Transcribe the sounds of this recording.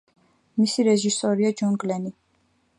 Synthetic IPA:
misiɾɛʒisɔɾiad͡ʒɔŋɡʼlɛni

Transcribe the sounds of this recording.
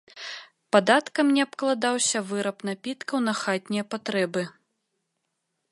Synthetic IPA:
pad̪at̪kɐmnʲɛapklˠad̪awsʲɐvɨɾɐpnapʲit̪kɐwnɐxat̪ʲnʲijɐpat̪ɾɛbɨ

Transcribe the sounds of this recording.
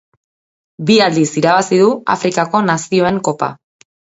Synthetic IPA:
biald̪isiɾaβ̞asiðua̰fɾikako̞nasio̞e̞ŋko̞pa̰

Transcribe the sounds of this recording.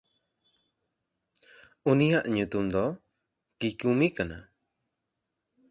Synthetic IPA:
unijaʔɲut̪umd̪ɔ | kikumikana̰

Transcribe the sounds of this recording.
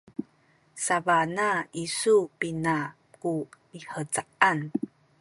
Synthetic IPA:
savanaisupina | kumiħət͡saʔan

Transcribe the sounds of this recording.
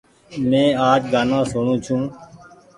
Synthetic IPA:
mẽːaːt͡ʃɡaːnãːsʊːɳũːt͡ʃʰũː

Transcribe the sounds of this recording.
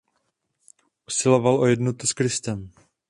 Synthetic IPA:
ʔusɪlo̞valʔojɛdnot̪uskɾɪst̪ɛm

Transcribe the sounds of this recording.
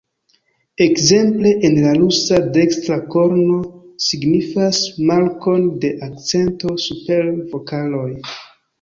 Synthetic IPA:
e̞kze̞mple̞ʔenlalusade̞kstɾako̞ɾno̞siɡnifasmaɾko̞nde̞ʔak̚t͡se̞nto̞supe̞ɾvo̞kalo̞j

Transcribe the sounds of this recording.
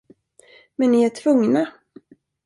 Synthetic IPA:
mɛnːɪæʈʰv̥ɵŋna

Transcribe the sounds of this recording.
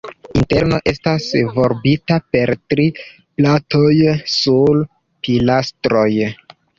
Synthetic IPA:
inte̞ɾno̞ʔe̞stasvo̞ɾbitape̞ɾtɾi | plato̞jsul | pilastɾo̞j

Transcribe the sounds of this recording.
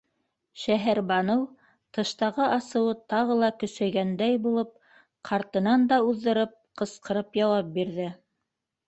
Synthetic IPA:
ʃæɦæɾbɑnɤw | t̪ɤ̆ʃt̪ɑʁɤʔɑsɤ̆wɤt̪ɑʁɤlˠɑkɵ̆sæɡænd̪æjbulˠɤp̚ | qʰɑɾt̪ɤ̆nɑnd̪ɑuðːɤ̆ɾɤp̚qɤ̆sqɤ̆ɾɤpjɑwɑp̚biɾðɘ

